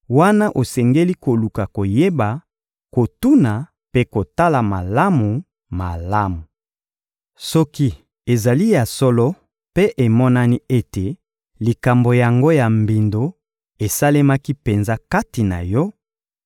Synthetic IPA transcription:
wa˦na˦ʔo˨sɛ˨ŋɡe˦li˦ko˨lu˨ka˨ko˨je˦ba˨ | ko˨tu˦na˨ | pe˦ko˨ta˦la˨ma˨la˦mu˨ | ma˨la˦mu˨ | sɔ˦ki˦ | e˨za˨li˦ja˨sɔ˦lɔ˦ | pe˦ʔe˨mɔ˦na˦ni˦e˦te˨ | li˨ka˨mbo˨ja˨ŋɡo˦ja˨mbi˨ndo˦ | e˨sa˦le˦ma˦ki˦pe˨nza˦ka˦ti˨na̰˨jɔ˦

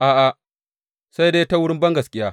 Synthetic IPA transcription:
ʔaː˨ʔa˨ʔ | sa˦jdeː˦jta˦wʊ˦ɽɪ˦mbɐ˦ŋɡɐ˨skʲʼɪ˦jaː˦

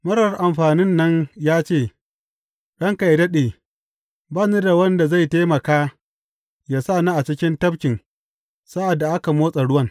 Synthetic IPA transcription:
mɐ˦ɽɐ˨rʔa˨mɸaː˨nɪ˦nːɐ˦ɲjaː˦t͡ʃeː˦˨ | ɗɐ˦ŋka˨jdɐ˦ɗeː˨ | baː˦ne˦da˨wɐ˦nda˨za˦˨jteː˦mɐ˨kaː˦ | jaː˦sa˦˨na˦ʔa˨t͡ʃɪ˦kʲɪ˦ntɐ˦bkʲɪ˨ŋ | sa˦ʔa˨dːa˨ʔa˦ka˨moː˦sʼɐ˨ɽʊ˦wɐ˦ŋ

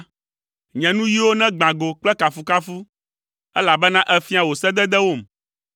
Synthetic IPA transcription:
ɲɛ̃˨nũ˦ji˦wo˦nɛ̃˦ɡ͡bã˨ɡo˨k͡plɛ˦ka˨fu˦ka˦fu˦ | ɛ˦la˨bɛ˦nã˦ʔɛ˦fi˦a˨wo˨sɛ˦d̪ɛ˦d̪ɛ˦wo˦˨m

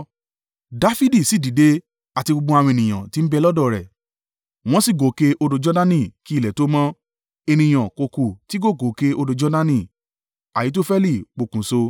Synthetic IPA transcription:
da˨˦fi˦di˦˨si˦˨di˨˦de˧˦ | a˨ti˧ɡ͡bo˧ɡ͡bɔ̃˧˦a˧wɔ̃˧e˨nĩ˨ã̰˨ti˦m̩˦bɛ˧˦lɔ˦dɔ˦˨ɾɛ˨ | w̃ɔ̃˦si˦˨ɡo˨˦ke˧ʔo˧do˧d͡ʒɔ˦dã˦nĩ˦˨ki˦˨lɛ˨to˨˦mɔ̃˦ | e˧nĩ˧j̃ã˨ko˧ku˨ti˦ɡo˦˨ɡo˨˦ke˧o˧do˧d͡ʒɔ˦dã˦nĩ˨ | a˨ji˨˦t̬o˦fɛ˦li˦˨k͡po˨kũ˨˦so˧

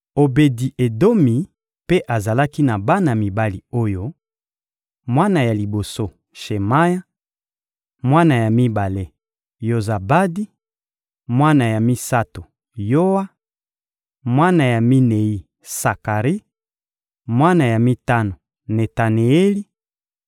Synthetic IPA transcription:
o˨be˨di˨ʔe˨do˦mi˨ | pe˦ʔa˨za˨la˦ki˦na˨ba˦na˨mi˨ba˦li˨o˦jo˦ | mwa˦na˨ja˨li˨bo˨so˦ | ʃe˨ma˦ja˦ | mwa˦na˨ja˨mi˦ba˨le˦ | jo˨za˨ba˦di˦ | mwa˦na˨ja˨mi˦sa˦to˨ | jo˦wa˦ | mwa˦na˨ja˨mi˦ne˨i˦ | sa˨ka˨ʁi˦ | mwa˦na˨ja˨mi˦ta˦no˨ | ne˨ta˨ne˨e˦li˦

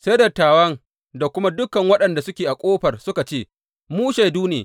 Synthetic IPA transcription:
sa˦jdɐ˨tːaː˨wɐ˦ŋ | da˨kʷʊ˦ma˦dʊ˦kɐ˨ŋwɐ˦ɗɐ˨nda˨sʊ˦kʲeː˨ʔa˨kʷʼoː˦ɸɐ˨rsʊ˦ka˨t͡ʃeː˦˨ | muː˦ʃa˨jduː˦nḛː˨

